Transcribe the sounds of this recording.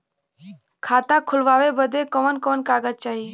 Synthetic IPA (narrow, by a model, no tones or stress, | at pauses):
kʰaːt̪ãːkʰʊlʋaːʋeːbəd̪ʱeːkəʋənkoːnkaːɡət͡ʃaːɦiː